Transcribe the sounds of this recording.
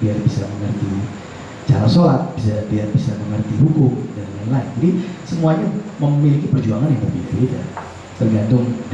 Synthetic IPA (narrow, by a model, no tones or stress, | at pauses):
biarbisaməŋərt̪i | t͡ʃaɾasolat̪̚b̥isabiarbisaməŋərt̪iɦukʊmdanilanlaɪnd͡ʒadisəmuaɲaməmilikipərd͡ʒuaŋanjaŋbərbidaɾida̰ | t̪ərɡant̪ʊŋd